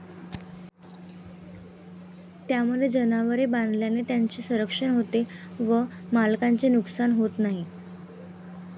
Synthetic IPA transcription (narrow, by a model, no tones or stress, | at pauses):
t̪jaməd̪ʱed͡ʑənaʋəɾeband̪ljanet̪jaɲt͡ɕesəɾəkʂəɳɦot̪eʋəmalkaɲt͡senuksanɦot̪naɦi